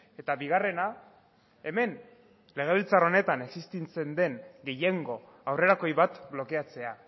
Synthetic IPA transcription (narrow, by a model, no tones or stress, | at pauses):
e̞t̪aβiɣ̞are̞na | e̞me̞n | le̞ɣ̞e̞βilt͡saro̞ne̞t̪ane̞ksist̪ent͡se̞nd̪e̞ŋɡe̞jeŋɡo̞ | awre̞ɾako̞jβat̪blo̞ke̞at͡se̞a